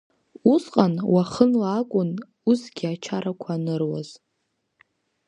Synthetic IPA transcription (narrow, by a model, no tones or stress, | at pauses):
uzqʼanwaχənlaːkʷʼʊn | usɡʲiat͡ʃʰaɾakʷʰaːnɨrwa̰z̥